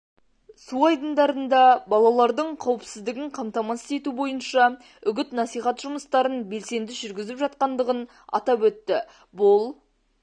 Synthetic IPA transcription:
suɑjd̪ənd̪ɑɾənd̪ɑbɑlˠɑlˠɑɾd̪əɴqʰɑwəpsɪzd̪ɪɡʲɪɴqʰɑmt̪ɑmɑst̪e̞t̪ubo̞jənʃɑ | ʏɡʲɪt̪nɑsijχɑt̪ʒʊməst̪ɑɾənbe̞lse̞nd̪ɪʒʏɾɡʲɪzɪpʒɑt̪̚qɑnd̪əʁən | ɑ̰t̪ɑpwɵt̪ːɪ | bʊlˠ

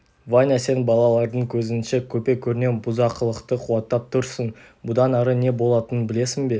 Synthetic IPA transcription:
vanʲase̞nbɑlˠɑlˠɑɾd̪əɴkʲʰɵzɪnʃe̞kʲʰɵpe̞kʲʰɵɾne̞nbʊzɑqʰəlˠəqt̪əqʰuɑt̪ːɑp̚t̪ʰʊɾsən | bʊd̪ɑnɑɾəne̞bo̞lˠɑt̪ənənbɪle̞sɪŋbe̞

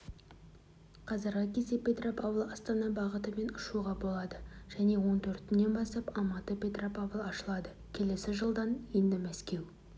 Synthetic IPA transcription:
qʰɑzəɾʁəkʲʰe̞se̞pʲe̞t̪ropʰavlˠɑst̪ɑnɑbɑʁət̪əme̞nʊʃuʁɑbo̞lˠɑd̪əʒ̥æne̞wo̞nt̪ʰɵɾt̪ɪnːe̞nbɑsɑpɑmɑt̪əpʲe̞t̪ropavlˠɑʃəlˠɑd̪ə | kʲʰe̞le̞sɪʒəlˠd̪ɑnjend̪ɪmæskʲe̞w

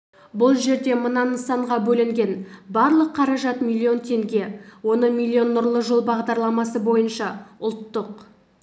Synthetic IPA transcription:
bʊlˠʒe̞ɾd̪e̞mənɑnəsɑɴʁɑbɵlɪŋɡʲe̞nbɑɾlˠəqʰːɑɾɑʒɑt̪mʲilʲːio̞nt̪ʰe̞ŋɡʲe̞wo̞nəɴmʲilʲːio̞nːʊɾlˠəʒolˠbɑʁd̪ɑɾlˠɑmɑsəbo̞jənʃɑʊlˠt̪ːəq

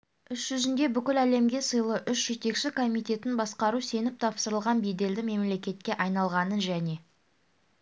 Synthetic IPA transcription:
ʏʃʒ̥ʏzɪnd̪e̞bʏkʲɪlæle̞mɡʲe̞səjlˠəʔʏʃʒe̞t̪e̞kʃɪkʰo̞mijt̪e̞t̪ɪnbɑsqɑɾuse̞nɪp̚t̪ʰɑpsəɾəlˠʁɑnbijd̪e̞ld̪ɪme̞mle̞kʲe̞t̪̚kʲe̞ʔɑjnɑlˠʁɑnənʒæne̞

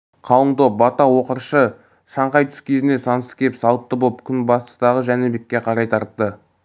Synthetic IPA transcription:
qʰɑlˠəɴt̪op̚bɑt̪ɑwo̞qəɾʃə | ʃɑɴqɑjt̪ʰʏ̥skʲʰe̞zɪne̞sɑnəsəkʲʰe̞psɑlˠət̪ːəbolˠəpkʲʰʏnbɑst̪ə̥st̪ɑʁəʒænebe̞kʲːe̞qʰɑɾɑjt̪ʰɑɾt̪ːə

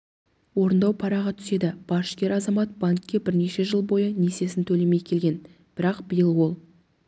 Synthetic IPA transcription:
wo̞ɾənd̪ɑwpʰɑɾɑʁɑt̪ʰʏ̥se̞d̪ɪb̥ɑʃkʲe̞ɾɑzɑmɑt̪̚b̥ankʲːe̞bɪɾne̞ʃe̞ʒəlˠbo̞jənese̞sɪnt̪ʰɵle̞me̞jkʲʰe̞lɡʲe̞n | b̥ɪɾɑqb̥ɪjəlˠwo̞lˠ

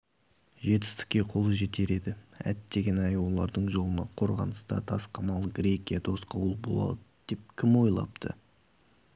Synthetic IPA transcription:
ʒe̞t̪̬ɪ̥st̪ɪ̥k̚ʲːe̞qʰo̞lˠəʒe̞t̪e̞ɾe̞d̪ɪæ̰t̪ːe̞ɡʲe̞nɑjwo̞lˠɑɾd̪əɴʒo̞lˠənɑ̰qʰo̞ɾʁɑ̰nəst̪ɑ̰t̪ʰɑsqɑmɑlˠɡɾʲe̞kʲijad̪ʰo̞sqɑwlˠbo̞̰lˠɑ̰d̪əd̪̥e̞p̚kʲʰɪmwo̞jlˠɑ̰pt̪ʰə̰

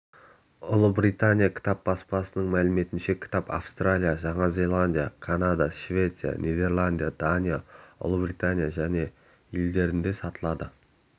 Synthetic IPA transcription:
ʊlˠəbrit̪anʲijakʲʰɪ̥t̪ɑp̚b̥ɑspɑsənəɴmælɪme̞t̪ɪnʃe̞kʲʰɪ̥t̪apa̰fst̪ralʲijaʒɑɴɑzʲe̞lˠanʲd̪ʲijakʰanad̪aʃvʲe̞t̪sɨija̰nʲʔed̪e̞rlˠand̪ijad̪̥anʲijaʊ̰lˠəbrit̪anʲijaʒæne̞ | jeld̪e̞ɾɪnd̪e̞sɑt̪əlˠɑd̪ə

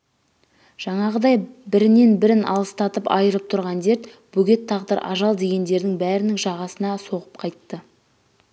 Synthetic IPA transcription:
ʒ̥ɑɴɑʁəd̪ɑjbɪɾɪne̞nbɪɾɪnʔɑ̰lˠəst̪ɑt̪əpɑ̰jəɾəp̚t̪ʰʊɾʁɑnd̪e̞ɾt̪ | b̥ɵɡʲe̞t̪ʰːɑʁd̪əɾʔɑ̰ʒɑlˠd̪e̞ɡʲe̞nd̪e̞ɾd̪ɪŋbæɾɪnɪŋʒɑʁɑsənɑso̞ʁəp̚qʰɑjt̪ːə

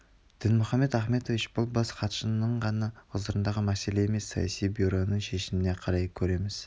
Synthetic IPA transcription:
d̪̥ɪnmʊχɑmːe̞t̪æχme̞t̪ovɪt͡ʃbʊlˠbɑsqʰɑt̪ə̥ʃənəɴʁɑnɑqʊzd̪əɾənd̪ɑʁəmæse̞le̞eme̞sːɑ̰jɑ̰sijbiɾo̞nəɴʃe̞ʃɪmɪne̞qʰɑɾɑjkʲʰɵɾe̞mɪz̥

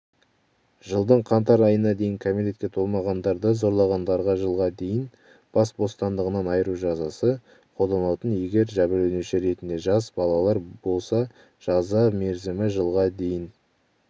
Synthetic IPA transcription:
ʒəlˠd̪əɴqʰɑnt̪ɑɾɑjənɑd̪e̞jɪŋkʰomiɾet̪̚kʲe̞t̪ʰolˠmɑʁɑnd̪ɑɾd̪əzo̞ɾlˠɑʁɑnd̪ɑɾʁɑʒəlˠʁɑd̪e̞jɪn | b̥ɑsbo̞st̪ɑnd̪əʁənɑnɑjəɾuʒɑzɑsə | qʰo̞ld̪ɑnɑwt̪ənje̞ɡʲe̞ɾʒæbɪlɵneʃeɾe̞t̪ɪnd̪e̞ʒɑzbɑlˠɑlˠɑɾbo̞lˠsɑ | ʒ̥ɑzɑme̞ɾzɪmɪʒəlˠʁɑd̪e̞jɪn

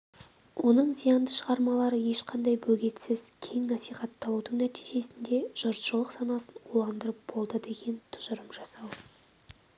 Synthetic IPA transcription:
wʔo̞nəɴzijɑnd̪əʃəʁɑɾmɑlˠɑɾəje̞ʃqʰɑnd̪ɑjbɵɡʲe̞t̪sɪz̥kʲʰe̞ŋnɑsijχɑt̪ʰːɑlˠud̪əɴnæt̪i̥jʒe̞sɪnd̪e̞ʒ̥ʊɾt̪ʒəlˠəqsɑnɑsənolˠɑnd̪əɾəp̚b̥o̞lˠd̪əd̪e̞ɡʲe̞nt̪ʰʊ̥ʒʊɾəmʒɑsɑw

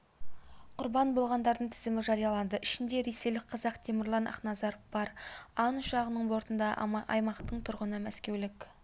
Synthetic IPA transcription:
qʰʊɾbɑnbo̞lˠʁɑnd̪ɑɾd̪əɴt̪ʰɪzɪmɪʒɑɾijɑlˠɑnd̪əʔɪʃɪnd̪e̞ɾe̞se̞jlɪk̚qʰɑzɑqt̪ʰemɪɾlˠɑnʔɑ̰χnɑzɑɾfb̥ɑɾɑnʊʃɑʁənəɴbo̞ɾt̪ənd̪ɑʔɑ̰jmɑqt̪əɴt̪ʰʊɾʁənəmæskʲe̞wlɪk

